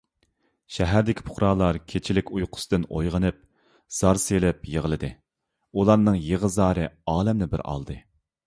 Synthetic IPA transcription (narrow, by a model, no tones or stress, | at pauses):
ʃɛɦæɾd̪ɪkʲʰi̥pʰʊ̥χɾɑːlˠɑɾkʲʰet͡ʃʰilɪkʲʰujqʰʊ̥sɨd̪ɨno̰jʁənɨp̚ | z̥ɑɾselɪpjəʁəlˠɨd̪ɨ | ulˠɑɾnɨŋjeʁəzɑːɾɨɑːlɛmnɪbɪ̰ɾɑ̰lˠd̪ɨ